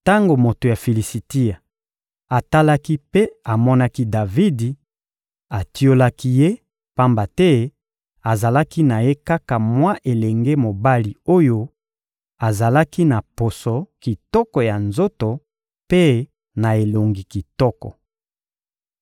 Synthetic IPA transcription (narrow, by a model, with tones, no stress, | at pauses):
ta˦ŋɡo˨mo˨to˨ja˨fi˨li˨si˨ti˦a˨ | a˨ta˦la˦ki˦pe˦a˨mɔ˦na˦ki˦da˨vi˦di˨ | a˨ti˦o˦la˦ki˦je˦ | pa˦mba˨tɛ˦ | a˨za˨la˦ki˦na˨je˦ka˦ka˨mwa˦ʔe˨lɛ˨ŋɡe˦mo˨ba˦li˨o˦jo˦ | a˨za˨la˦ki˦na˨po˨sɔ˨ki˨tɔ˦kɔ˨ja˨nzo˦to˨ | pe˦ | na˨e˨lo˨ŋɡi˨ki˨tɔ˦kɔ̰˨